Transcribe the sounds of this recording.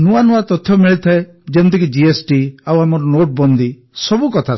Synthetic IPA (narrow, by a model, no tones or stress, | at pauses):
nuanuat̪ɔt̪ʰjɔmiɭit̪ʰae | d͡ʒent̪ikid͡ʒiesʈiawamɔɾɔnoʈ̚bɔnd̪i | sɔbukɔt̪ʰa